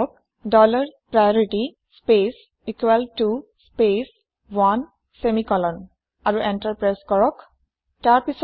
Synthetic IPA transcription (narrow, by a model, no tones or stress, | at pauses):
ɔk̚ | ɖɔlaɹpɹajɔɹiʈi | spes | ikwɛltu | spes | wan | semikɔlɔn | aɹuʔɛntaɹpɹajskɔɹɔk | taɹpis